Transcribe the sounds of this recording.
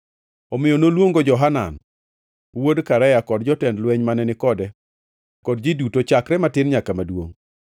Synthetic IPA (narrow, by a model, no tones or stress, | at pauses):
ɔmɪjonolwoŋɡod͡ʒɔɦana̰n | wodkaɾajakɔdd͡ʒɔtɛndlwɛɲmanɛnɪkɔdɛ | kɔdd͡ʒidutot͡ʃakɾɛmatɪnɲakamadwo̰ŋ